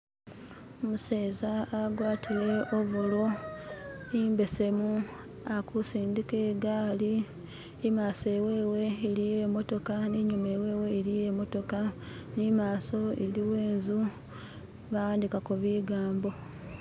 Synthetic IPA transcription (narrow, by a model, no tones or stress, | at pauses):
omuseːzaːɡwaːtʰile̞oβulo̞ | imbe̞se̞mu | akusiːndike̞ːɡaliː | maːse̞we̞ːwe̞iɾijemo̞to̞kaniɲumewe̞ːwe̞iɾije̞mo̞to̞ka | nimaːso̞iliwe̞ːnzu | βawaːndikakuβiɡaːmbo̞